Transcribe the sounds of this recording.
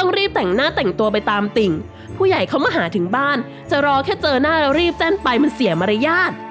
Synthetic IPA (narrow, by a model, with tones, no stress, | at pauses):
t̪ɔ˥˩ŋɾiː˥˩p̚t̪ɛ˨˩ŋnaː˥˩t̪ɛ˨˩ŋt̪u˧ɐp̬a˧jt̪aː˧mt̪i˨˧ŋ | pʰuː˥˩ja˨˩jkʰa˦˥˩wmaː˥˩ɦaː˩˦t̪ʰɯ˨˩˦ŋbaː˥˩n | t͡ɕa˨˩ɾɔː˧kʰɛː˥˩t͡ɕɤː˧naː˥˩ɾa˦˧˥ɾiː˥˩p̚t͡ɕɛ˥˩npa˧jma˧nsi˨˩˦əma˧ɾa˦˧jaː˥˩t̪̚